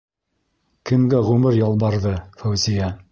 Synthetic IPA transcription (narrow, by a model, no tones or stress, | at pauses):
kɘ̆mɡæʁʉmɘɾjɑlˠbɑɾðɤfæwzijæ